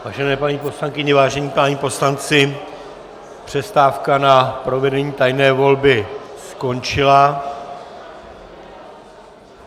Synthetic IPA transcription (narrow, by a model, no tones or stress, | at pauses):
vaːʒɛnɛːpaɲiːpo̞slaŋkɪɲɛvaːʒɛɲiːpaɲipo̞slant͡sɪ | pr̝̥ɛst̪aːfkanapɾo̞vɛdɛɲiːt̪ajnɛːvo̞lbɪsko̞nt͡ʃɪla